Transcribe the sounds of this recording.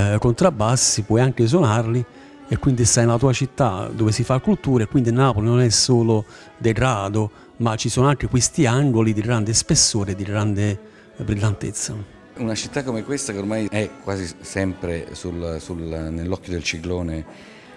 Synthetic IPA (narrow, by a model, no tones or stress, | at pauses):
kont̪ɾabːasːipwɔjaŋk̟ɪs̬onarli | ekːwind̪isajnlat̪uːat͡ʃit̪ːa̰d̪oːvɪsifakːult̪uːɾeekːwind̪inaːpolinonɛsːoːlʊ | d̪eɡɾaːd̪o | mat͡ʃːisoːnoaŋk̟ɪkwist̪iaŋɡolid̪iɡɾand̪espesːoːɾed̪iɡɾand̪e | bɾilːant̪ḛt̪sːa | unat͡ʃit̪ːakːomekwest̪akeormajɛkːwaːzisɛmpɾesulsulnelːɔkːjod̪elt͡ʃikloːne